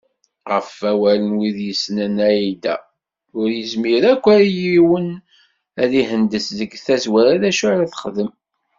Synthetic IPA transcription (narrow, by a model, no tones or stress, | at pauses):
ʁəfæwælənwiðjəsnənæjid̪æ̰ | ʊɾjəzmiɾækʷːæɾjiwən | æðiɦənd̪əsðəɡθæzwæɾæðæʃuʕɾæθə̥χðəm